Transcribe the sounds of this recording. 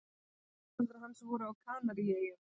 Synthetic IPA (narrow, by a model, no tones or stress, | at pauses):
ɾɦansvɔɾʏawkʰaːnaɾijɛjɪ